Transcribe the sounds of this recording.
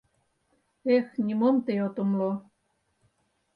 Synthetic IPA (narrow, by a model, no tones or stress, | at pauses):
exnʲimomt̪eot̪ŏmlo